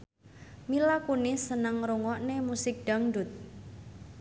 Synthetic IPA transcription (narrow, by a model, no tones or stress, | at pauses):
milakunisənəŋɾuŋɔʔnemusɪk̚d̥a̤ŋɖut̪̚